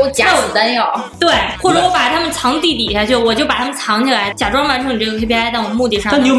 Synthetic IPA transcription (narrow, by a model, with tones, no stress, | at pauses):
o˥t͡ɕja˨˥˩t̪a˥njo˨˩t̪we˥˩ɪxwɔ˥˩ʈ͡ʂɤ˨˩˥wɔ˧˥pa˨˩t̪ʰa˥mə˨nt͡sʰɑ˧˥ŋt̪i˥˩t̪i˨˩ɕja˥˧t͡ɕʰy˥˩wɔ˨˩t͡ɕjo˥˩ʊpa˨˩t̪ʰa˥mə˨nt͡sʰɑ˧˥ŋt͡ɕ̪ʰi˨˩la˧˥ɪt͡ɕja˨˩ʈ͡ʂwɑ˥ŋwa˧˥nʈ͡ʂʰɤ˧˥ŋni˨˩ʈ͡ʂɤ˥˩ɡə˩kʰe˥pʰi˥a˥ɪa˥˩ɪwɔ˨˩ə˦mu˥˧t̪i˥˧ʂɑ˥˧˥jo˥˩